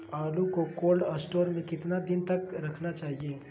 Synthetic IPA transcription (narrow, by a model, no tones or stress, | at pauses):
aːlukokoːlɖəsʈoːɾmẽkɪt̪nad̪int̪əkɾəkʰnat͡ʃaːɦie